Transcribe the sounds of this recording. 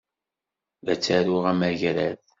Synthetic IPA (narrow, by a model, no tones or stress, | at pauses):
ðæt͡sːæɾuʁæmæʝɾæθ